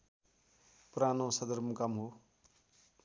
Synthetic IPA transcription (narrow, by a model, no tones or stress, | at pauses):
pɾanõsʌd̪ʌɾmukamɦo